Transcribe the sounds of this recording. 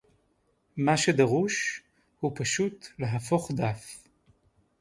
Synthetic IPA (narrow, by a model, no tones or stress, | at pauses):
maʃed̪aʁuʃ | hupaʃutleɦafo̞χd̪af